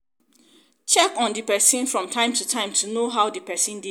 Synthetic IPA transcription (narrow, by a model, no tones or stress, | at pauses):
t͡ʃɛkɔ̃ndipɛsĩnfɹɔ̃mtʰãɪ̃mtutʰãɪ̃mtʰunoɦaʊdipɛsĩndi